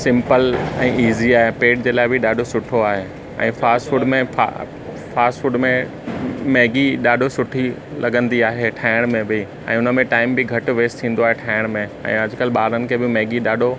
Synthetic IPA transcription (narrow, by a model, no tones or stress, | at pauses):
sɪ̃mpəlɛ̃ːiːziaːɦepeːʈ̚d͡ʑeːlaːɦɪbʱɪɗaːɖʱosʊʈʰoaːɦe | ɛ̰̃ːfaːsʈfuɖmẽa̰ | faːsʈfuɖmẽ | meːɡiɗaːɖʱosʊʈʰilɐɡə̃nd̪iaːɦeʈʰaːɪɽ̃mẽbɪ | ɛ̰̃ːʊnə̆mẽʈaːɪmbɪɡʱɐʈʊʋeːst̪ʰĩːn̆d̪oaːɦeʈʰaːɪɽ̃mẽɛ̰̃ːɐd͡ʑʊkəlɓaːɾənɪ̆kʰeːbɪmeːɡiɗaːɖʱo